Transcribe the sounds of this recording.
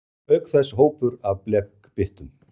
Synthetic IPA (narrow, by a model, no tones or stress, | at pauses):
œɥkθɛsːɦoːwpʏɾavplɛkpɪht̪ʏm